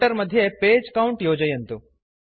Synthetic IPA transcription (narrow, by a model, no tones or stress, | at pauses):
ʈɐɾmɐd̪ʱjepeːd͡ʒkɐwɳʈjoːd͡ʒɐjɐnt̪u